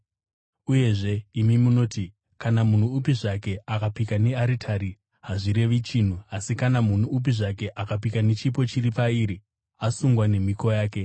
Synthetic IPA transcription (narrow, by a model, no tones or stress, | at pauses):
uje̞ʐe̞imimuno̞ːti | kanamun̤uupiʐake̞akapikane̞aɾitʰaɾi | ɦaʐiɾe̞ʋit͡ʃin̤uasikanamun̤uːp̬iʐake̞ʔakap̬ikane̞t͡ʃip̬o̞t͡ʃiripaiɾi | asuŋɡwane̞miko̞jaːke̞